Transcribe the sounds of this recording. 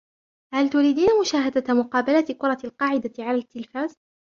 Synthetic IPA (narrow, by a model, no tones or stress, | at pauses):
halt̪ʊɾiːd̪iːnamʊʃaːɦad̪amʊqɑːbalat̪kʊɾˤɑlqɑːʕɪd̪aʕalalɪt̪ːɪlfaːz